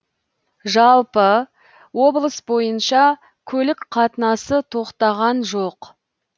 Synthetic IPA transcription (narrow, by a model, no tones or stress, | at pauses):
ʒɑlˠpə | wo̞blˠəsbo̞jənʃɑ | kʲʰɵlɪkqʰɑt̪ənɑsət̪ʰo̞qt̪ɑʁɑnʒo̞q